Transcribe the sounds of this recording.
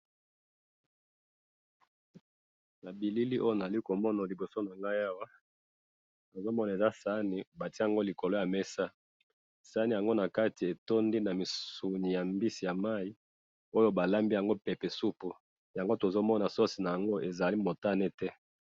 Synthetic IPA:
na˨bi˨li˦li˦ʔo˦jo˦na˨za˨li˦ko˨mɔ˦na˨li˨bo˨so˦na˨ŋɡa˦ja˦wa˦ | no˨zo˦mɔ˦na˨e˨za˦sa˦ni˨ba˨ti˦a˨ŋɡo˦li˨ko˨lo˦ja˨mɛ˦sa˦ | sa˦ni˨ja˨ŋɡo˦na˨ka˦ti˨e˨to˦ndi˦na˨mi˨u˨ni˨ja˨mbi˦si˨ja˨ma˦i˦ | o˦jo˦ba˨la˦mbi˦ja˨ŋɡo˦pɛ˨pe˨su˦pu˨ | ja˨ŋɡo˦to˨zo˦mɔ˦na˨so˦si˨na˨ja˨ŋɡo˦ʔe˨za˨li˦mo˨ta˦ne˦tɛ˦

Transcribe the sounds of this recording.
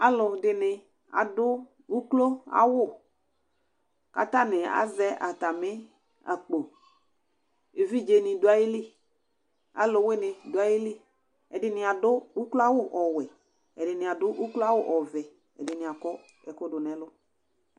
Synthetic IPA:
a˦lʊ˨dɪ˨nɪ˨ | a̰˨dʊ˦ | u˦klo˦a̰˦wʊ˦˨ | ka̰˨ta˦nɪ˨a̰˨˦zɛ˦ʔa˨ta˨mɪ˦ | a̰˨k͡po˨ | e˨vi˦d͡ʒe˨nɪ˨dʊ˨˦a˦jɪ˦li˦˨ | a̰˦lʊ˨˦we˦nɪ˨dʊ˨˦a˦jɪ˦li˦ | ɛ˨dɪ˨nɪ˨a˨dʊ˦u˦klo˦a˦wʊ˦˨ʔɔ˨wɛ˨ | ɛ˨dɪ˨nɪ˨a˨dʊ˦ʔu˦klo˦a˦wʊ˦ʔɔ˨vɛ˨ | ɛ̰˨dɪ˨nɪ˨a˨kɔ˦ | ɛ˨kʊ˦dʊ˨nɛ˨˦lʊ˦

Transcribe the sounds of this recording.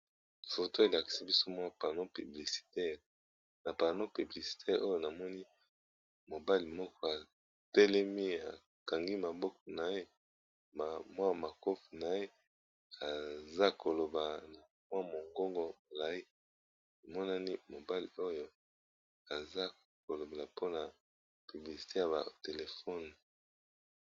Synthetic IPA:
fo˨to˦e˨la˨ki̥˨si˦bi˦so˦mwa˦˨pa˨no˦pi˨bli˨si̥˨tɛ˦ʁ | na˨pa˨no˦pi˨bli˨si̥˨tʰɛ˦ʁʔo˦jo˦na˨mɔ˦ni˦ | mo˨ba˦li˨mɔ˦kɔ˦a˨ | tɛ˦lɛ˦mi˦a̰˨ | ka˨ŋɡi˦ma˨bɔ˦kɔ̥˦˨na˨je˦ | ma˨mwa˦˨ma˨ko˦fi˨na˨je˦ | a˨za˦ko˨lo˨ba˨na˨mwa˦mo˨ŋɡo˦ŋɡɔ˦bo˨la˨i˦ | na˨mɔ˦na˦ni˦mo˨ba˦li˨o˦jo˦ | a˨za˦ | ko˨lo˨be˨la˨po˦na˨ | py˨bli˨si̥˨te˦ja˨βa̰˨te˨le˨fɔ˦˨n˨

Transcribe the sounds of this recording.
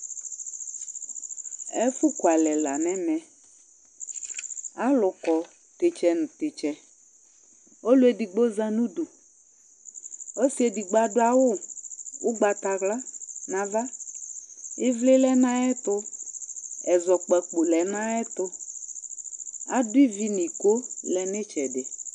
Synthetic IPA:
ɛ˦fʊ˦kwa˨lɛ˨la̰˨nɛ˦mɛ˨ | a˦lʊ˨kɔ˨ | tɪ˨t͡ʃɛ˨nʊ˨tɪ˨t͡ʃɛ˨ | o˦lʊ˦ɛ˦di˨ɡ͡bo˦za˦nu˦du˨ | o˦si˦e˨di˨ɡ͡ba˨dʊ˦a˨wʊ˦ʊ˦ɡ͡ba˨ta˨ɣla˦na˨va˦ | ɪ˦vlɪ˦lɛ˦na˦ɛ˦tʊ˧ | ɛ˨zɔ˨k͡pɛ˨k͡pʊ˨lɛ˨na˦ɛ˦tʊ˧ | a̰˦dʊ˦i˦vi˦ni˨ko˦lɛ˨nɪ˦t͡ʃɛ˨dɪ˨

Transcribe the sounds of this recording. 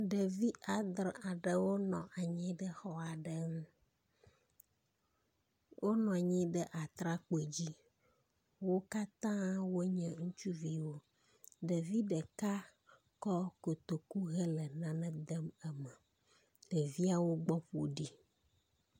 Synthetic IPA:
ɖə˨vi˦ʔa˨d̪ɾa˨ɖə˨wo˦nɔ̃˨ʔa˨ɲĩ˦ɖə˦xɔ˦a˨ɖə˨ŋũ˦ | wʔo˦nɔ̃˨ɲĩ˦ɖə˦ʔa˨t̪ɾa˦k͡pe˨d͡ʑi˦ | wo˦ka˦t̪ã˦wo˦ɲɛ̃˨ŋũ˦t͡ʃu˦vi˨wo˦ | ɖə˨vi˦ɖə˨ka˦ | kɔ˦ko˨t̪o˨ku˦ɣə˦lə˨nã˦nɛ̃˦d̪ə˦mə˦mə˨ | ɖ̥ə˨vi˦a˦wo˦ɡ͡bɔ˦ɸo˨ɖi˦

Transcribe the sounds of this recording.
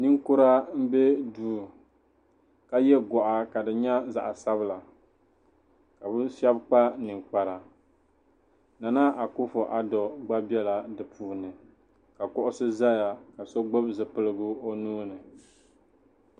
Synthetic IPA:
nɨ˦ŋkʊ˦ɾa˦m̩˦be˦duː˦˨ | ka˦jɛ˦ɡɔ˨ʔa˨ka˨dɨ˨ɲa˦za̰˨ʔa˨sa˦bɨ˦la˨ | ka˨bɨ˦ʃɛ˦bk͡pa˦nɨ˨ŋk͡pa˨ɾa˨ | na˨na˦ʔa˨kʊ˦fo˨ʔa˨dɔ˨ɡ͡ba˦bɛ˦la˨dɨ˨pʰuː˦˨nɨ˨ | ka˨kʊ˦ʔʊ˦sɨ˦za˦ja˨ka˨so˦ɡ͡bo˦bzɨ˨pɨ˦lɨ˦ɡʊ˦o˦nuː˦nɨ˨

